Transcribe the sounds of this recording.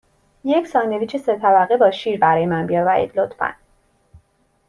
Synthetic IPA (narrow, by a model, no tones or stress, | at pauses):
jecʰsɒːneviːt͡ʃʰeset̪ʰæbæɣebɒːʃiːɾbæɾɒːjemænbijɒvæɾḭːd̪lot̪ʰfæ̰n